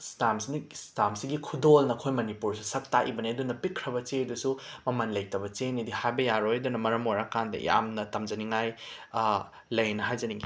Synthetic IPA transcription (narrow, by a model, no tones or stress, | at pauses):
stamsinstamsiɡikʰudolnɐːkʰojmɐnipuɾsisɐk̚taʔḭbɐniɐdunɐpikʰɾɐbɐt͡ʃedusumɐmɐnlɐjtɐbɐt͡ʃenidihajbɐjaɾojɐdunɐmɐɾɐmojɾakandɐ̰ja̰mnɐtɐmd͡ʒɐniŋaj | lɐjnɐɦajzɐniŋɡi